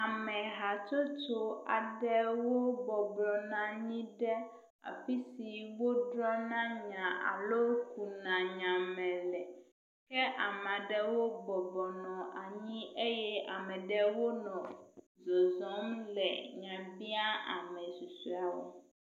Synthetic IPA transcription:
a˨mɛ̃˨ɦa˨t͡ʃo˦t͡ʃo˦a˨ɖɛ˦wo˦bɔ˨blɔ˨nã˨ɲĩ˦ɖɛ˦ | a̰˨fi˦si˨wo˦ɖɾɔ˦nã˦ɲã˨ʔa̰˨lo˦ku˨nã˨ɲã˨mɛ̃˨lɛ˨ | kɛ˦ʔa˨mɛ̃˨a˨ɖɛ˦wo˦bɔ˨blɔ˨nɔ̃˨a˨ɲĩ˦ʔe˦jɛ˦a˨mɛ̃˨ɖɛ˦wo˦nɔ̃˨ | zɔ˨zɔ̃˨˦mlɛ̰˨ɲã˨bi˦a˦a̰˨mɛ̃˨su˨su˦a˨wo̰˦

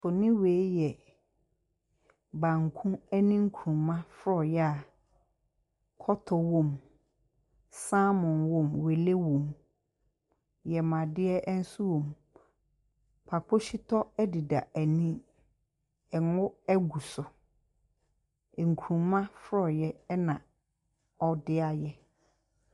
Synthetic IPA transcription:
fʊ˨nɪ̃˦weː˨˦jɛ˨ | bã˨ŋ˨kʰũ˦ɛ˦nĩ˦ŋ̩˦kʰu˨ɾũ˨mã˦fɾɔ˨jɛ˦a˨ | kʰɔ˦tʰɔ˨wɔ̃˦m | sãː˦mʊ̃˨nwɔ̃˦mwe˨le˦wõ˨m | jɛ˨mã˨dɪ˦ɛ˦ʔn̩˦su˦wõ˨m | pʰa˨k͡pʊ˦ɕi˦tʰɔ˦ɛ˦dɪ˨da˨æ˨nĩ˦ | ɛ˨ŋʊ̃˦ɛ˦ɡu˨sʊ˨ | ŋ̩˨kʰũ˨mã˦fɾɔ˨jɛ˦nã˨ | ɔ˨dɪ˦a˨jɛ˦

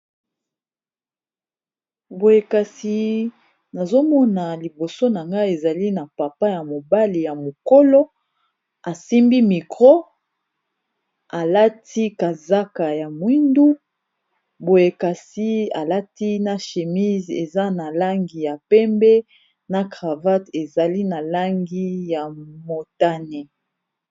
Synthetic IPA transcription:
bo˨je˨ka˨si˨ | na˨zo˦mɔ˦na˨li˨bo˨so˦na˨ŋɡa˦e˨za˨li˦na˨pa˨pa˦ja˨mo˨ba˦li˨ja˨mo˨ko˦lo˦ | a˨si˦mbi˦mi˨kʁo˦ | a˨la˦tʰi˦ka˨za˦ka˨ja˨mwi˦ndu˦ | bo˨je˨ka˨si˦a̰˨la˦ti˦na˨ʃe˨mi˦ze˨za˦na˨la˦ŋɡi˨ja˨pɛ˦mbɛ˦ | na˨kʁa˨va˦te˨za˨li˦na˨la˦ŋɡi˦ja˨mo˨ta˦ne˨

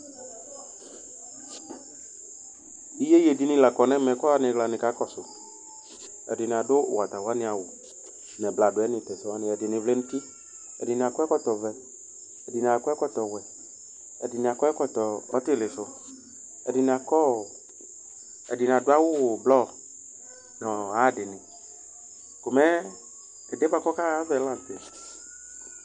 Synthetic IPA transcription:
i˦je˦je˨di˨nĩ˦la˨kɔ˨nɛ̃˦mɛ̃˨˦kɔ˦a˦nɪ̃˨ɡla˨nɪ̃˨ka˦kɔ˦sʊ˨ | ɛ̰˨dɪ˨n˨a˨dʊ˦˨wa˨t̪a˨wa˦nɪ̃˨a˨wo˨ | nɛ̃˨bla˨dʊ˨ɛ˦nɪ̃˨t̪ɛ˨sʊ˨˦a˦nɪ̃˨ɛ˨dɪ˨nɪ̃˨vle˦nũ˦ti˦ | ɛ̰˨dɪ˨n˨a˨kɔ˦ɛ˦kɔ˦t̪ɔ˨vɛ˨ | ɛ˨dɪ˨n˨a˨˦kɔ˦ɛ˦kɔ˦t̪ɔ˨wɛ˨ | ɛ̰˨dɪ˨n˨a˨kɔ˦ɛ˦kɔ˦t̪ɔ˨ɔ̰˦t̪ɪ˦˨le˨sʊ˨ | ɛ˨dɪ˨n˨a˨kɔ˦˨ | ɛ̰˨dɪ˨n˨a˨dʊ˦a˦wʊ˦wo˨blɔ˦˨ | nɔ˨a˦˨dɪ˨nɪ̃˨ | ko˨mɛ˦ | ɛ˨de˦ba˦kɔ˦ka˦a˦vɛ˦la˦˨n˨t̪e˨

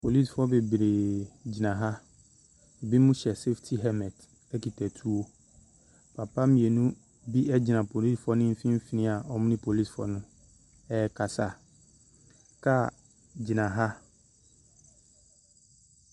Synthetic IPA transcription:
pʰo˨li˦sfɔ˦be˨bɾe˨d͡ʑi˨nã˨ɦa˦˨ | bi˦mʊ̃˦ɕɛ˨se˦ftʰi˦ɦɛ˦mɛ̃˨d | ɛ˦ki˨tʰɛ˨tʰu˦o˦ | pʰa˨pa˦mĩ˨e˨nũ˦ | bi˦ʔɛ˦d͡ʑɪ˨nã˨pʰo˨li˦sfɔ˦nʊ̃˦m̩˦fĩ˦m̩˦fi˦nɪ̃˦a˨ʔɔ˦mʊ̃˦nɪ̃˦pʰo˨li˦˨sfɔ̰˨nʊ̃˦ | ɛ˦ɛ˦kʰa˨sa˦˨ | kʰa˦ | d͡ʑi˨nã˨ɦa˦

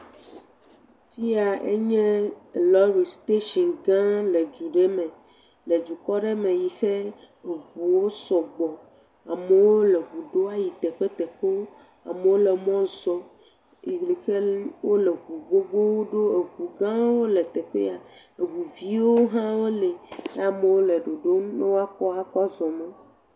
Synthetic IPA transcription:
fi˦a˨ʔḛ˦ɲɛ̃˦˨lɔ˦ɾi˨st̪e˦ʃi˨nɡã˦le˨d͡ʒu˨ɖe˦mɛ̃˨ | le˨d͡ʒu˨kɔ˦ɖe˦mẽ˨ji˨xe˦ | e˨ɣu˨wo˦sɔ˨ɡ͡bɔ˨ | a˨me˨wo˦le˨ɣu˨ɖo˦a˦ji˨t̪ɛ˨ɸe˦t̪ɛ˨ɸe˦ | a̰˨me˨˦wo˦le˨mɔ̃˦zɔ˦ | i˨li˨xe˦wo˦le˨ɡu˨ɡ͡bo˦ɡ͡bo˦wo˦ɖo˦e˨ɡu˨ɡã˦wo˦le˨t̪e˨ɸḛ˦a˨ | e˨wu˨vi˦wo˦ɦã˦wo˦le˨ḛ˦a˨me˨wo˦le˨ɖo˨ɖo˦nɔ̃˦wa˦kɔ˦a˨kɔ˦zɔ˨mẽ˦

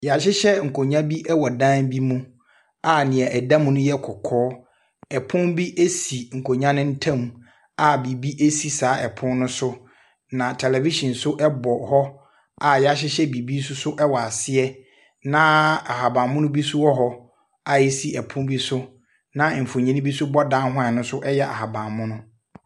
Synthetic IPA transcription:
ja˨ɕɪ˦ɕɛ˦ŋ̩˨kʰo˨ɲã˦bi˦ʔɛ˦wɔ˨dã˦nbi˦mũ˦ | a˨nɪ̃˨ɛ˨ʔɛ˨dã˦m˦nʊ̃˦jɛ˦kʰɔ˨kʰɔː˦ | ɛ˨pʰʊ̃˦mbi˦ʔe˦si˨ŋ̩˨kʰo˨ɲã˦nɪ̃˦n̩˦tʰã˦˨m˨ | a˨bi˨bi˦ʔe˦si˨saː˨˦ʔɛ˨pʰʊ̃˦n˦nʊ̃˦sʊ˦ | nã˨tʰɛ˨lɛ˨vi˦ʃɔ̃˨nsʊ˦ʔɛ˦bɔ˨hɔ˦ | a˨ja˦ɕ̬ɪ˦ɕɛ˦bi˨bi˦s̬ʊ˦sʊ˦ʔɛ˦wɔ˨a˨sɪ˦ɛ˦ | nã˦a˨ɦa˨bã˨mʊ̃˦nʊ̃˦bi˦sʊ˦ɔ˦ɦɔ˦ | a˨i˦si˨ɛ˨pʰʊ̃˦mbi˦sʊ˦ | nã˨m̩˨fʊ˨ɲĩ˦nɪ̃˦bi˦sʊ˦bɔ˦dã˦ɦã˨nʊ̃˦sʊ˦ʔɛ˦jɛ˦a̰˨ɦa˨bã˨mʊ̃˦nʊ̃˦

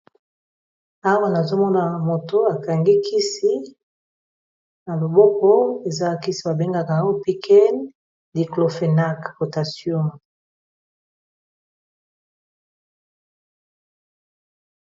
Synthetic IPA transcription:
a˦wa˦na˨zo˦mɔ˦na˨mo˨to˨a˨ka˨ŋɡi˦kʰi˦si˦ | na˨lo˨bɔ˦kɔ˦e˨za˦˨ki˦si˨ba˨be˦ŋɡa˦ka˨˦o˦pi˦kɛ˦n | di˨klo˨fe˨na˦kpo˨ta˨sjɔ̃˦˨

